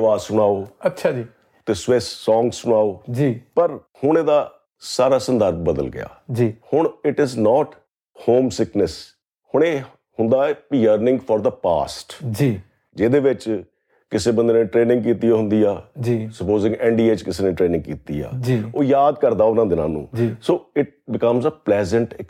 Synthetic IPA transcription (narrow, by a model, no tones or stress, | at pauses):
ɪʋaːzsʊɽ̃aːoːətːt͡ʃʰaːiː | t̪eːsʋɪsːɔ̃ːŋɡssʊɽ̃aːoːd͡ʒiːpəɾhʊɳ̃eːd̪aː | saːɾaːsənd̪əɾbbəd̪ə̰lɡɪ̰ja̰ːd͡ʒiːhʊɳɪʈɪznɔːʈ | hoːmsɪknəs | hʊɳ̃eː | hʊnd̪aːɛjəɾnɪ̃ŋɡfʰɔːɾd̪əpa̰ːsʈd͡ʒiː | d͡ʒeːd̪eːʋɪt͡ʃ | kɪsẽːbə̃nd̪eːnẽːʈɾeːnɪ̃ŋɡ̚kiːt̪iːoːɦʊ̃nd̪iːaːd͡ʒiːsəpoːzɪ̃ŋɡɛːɳɖiːeːt͡ʃkɪseːnẽːʈɾeːnɪ̃ŋɡ̚kiːt̪ḭːa̰ːd͡ʒioːjaːd̪̚kəɾd̪aːʊnãːd̪ɪnã̰ːnṵ̃ːd͡ʒisoːɪʈ̚bɪkəmzəplɛːzəɳʈ